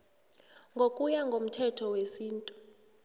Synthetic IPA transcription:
ŋɡʱokʼujaŋɡʱom̩tʰɛtʰɔwesiːntʼu

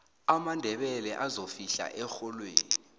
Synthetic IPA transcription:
amandʱɛɓɛlɛʔazofiɬa̰ʔɛxɔlwḛːnni

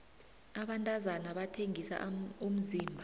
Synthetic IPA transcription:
aɓantʼazanaɓatʰeŋisa̰um̩ziːmbʱa

